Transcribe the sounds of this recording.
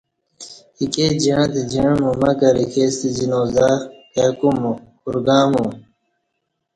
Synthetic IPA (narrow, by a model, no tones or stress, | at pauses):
iked͡ʑiɻãt̪id͡ʑiɻ̃mũmɐkɐɾikʰest̪id͡ʑinoːzaː | ekumkuɾɡãːmũ